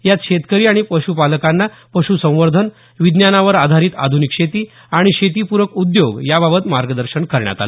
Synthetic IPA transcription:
jat̪ɕet̪kəɾiːaɽ̃ipəɕupaləkanːa | pəɕusə̃w̃ʋəɾd̪ʱən | ʋid̪njanaʋəɾad̪ʱaɾiːt̪a̰d̪ʱunikɕet̪iː | aɽ̃iɕet̪̬ipuɾʋəkud̪joɡjababət̪maɾɡəd̪əɾɕəɳkəɾɳja̰t̪a̰le

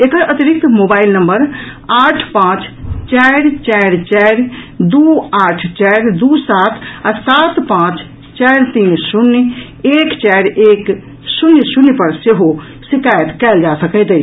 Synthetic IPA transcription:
ekəɾʔət̪iɾik̚t̪mobailnəmbəɾ | aʈʰpãt͡ʃt͡ʃaɾt͡ʃɛɾt͡ʃɛɾd̪uaʈʰt͡ʃɛɾd̪usat̪ʰasat̪pãt͡ʃ | t͡ʃɛɪɾt̪insunː | ekt͡ʃajɾek | sunjsunjpəɾseɦo | sikajət̪kɛld͡ʒasəkət̪ət͡ʃ

